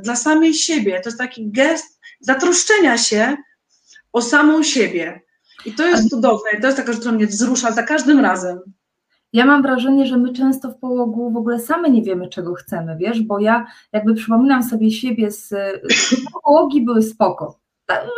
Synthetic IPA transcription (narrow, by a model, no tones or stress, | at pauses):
d̪lasamʲejɕebʲjɛt̪ɔjɛst̪akʲiɡɛst̪̚zat̪ɾɔʂt͡ʂɛɲaɕɛ | ɔsamɔ̃w̃ɕebʲjɛ | it̪ɔjɛst̪ud̪ɔvnɛit̪ɔjɛst̪akaʃt̪uɾamɲɛvzɾuʂazakaʐd̪ɘmɾazɛm | jamamvɾaʐɛɲɛʐɛmɘt͡ʂɛ̃w̃st̪ɔfpɔwɔɡuvɔɡulɛsamɘɲɛvʲjɛmɘt͡ʂɛɡɔxt̪sɛmɘvʲjɛʂbɔjajaɡ̚bɘpʂɘpɔmʲinamsɔbʲjɛɕɛbʲjɛs | ɔpɔwɔɡʲibɘwɘspɔkɔ | t̪a